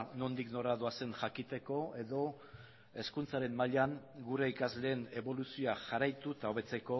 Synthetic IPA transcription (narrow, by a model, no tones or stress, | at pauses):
no̞nd̪ikno̞ɾaðoase̞ŋʝakit̪e̞ko̞e̞ðo̞ | e̞skunt͡saɾe̞mːaʎaŋɡuɾe̞ikazle̞ːne̞βo̞lusioaʝaɾajt̪ut̪ao̞β̞e̞t͡se̞ko̞